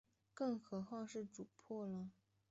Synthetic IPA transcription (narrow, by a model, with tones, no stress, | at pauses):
kɤ˥˩ŋxɤ˧˥xwɑ˥˧ʂɻ̩˥˩ʈ͡ʂu˨˩pʰwɔ˥˩lə˨˩